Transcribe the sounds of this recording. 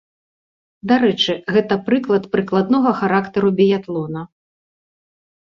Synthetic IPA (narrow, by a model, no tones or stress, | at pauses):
d̪aɾɛt͡ʂɨɣɛt̪ɐpɾɨklˠɐt̪pɾɨklˠad̪nɔɣɐxaɾakt̪ɐɾubʲijat̪lˠɔnɐ